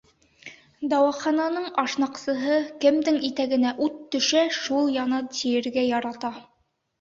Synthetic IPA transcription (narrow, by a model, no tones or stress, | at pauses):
d̪ɑwɑχɑnɑnɤɴɑʃnɑqsɤ̆ɦɤkɘ̆md̪ɘŋit̪æɡɘ̆næʔʉt̪ːɵ̆ʃæʃulˠjɑnɤt̪ijɘ̆ɾɡæjɑɾɑt̪ɑ